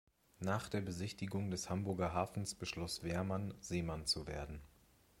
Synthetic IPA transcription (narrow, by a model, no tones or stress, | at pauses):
naːχd̥eːɐbəzɪçtɪɡʊŋdɛshambʊɐɡɐɦaːfn̩sb̥əʃlɔsv̥eːɐmanz̥eːmant͡suvḛːɐdn̩